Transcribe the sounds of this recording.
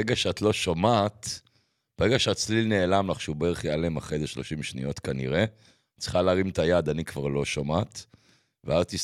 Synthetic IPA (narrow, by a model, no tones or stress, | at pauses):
eɡaʃeatlo̞ʃomat | b̥eʁe̞ɡaʃeat͡slilne̞ːlamlaχʃubeeeχjaleemaχejzeʃlo̞ʃimʃnḭjo̞t̪kanḭʁe̞ | t͡sχaleaːʁimt̪ajad̪anikvaʁlo̞ʃomat | veazat̪is